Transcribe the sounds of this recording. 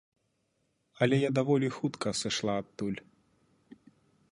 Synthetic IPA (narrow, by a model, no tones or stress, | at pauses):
ɐlʲɛjad̪avɔlʲixut̪kɐsɨʂlˠaːt̪ːulʲ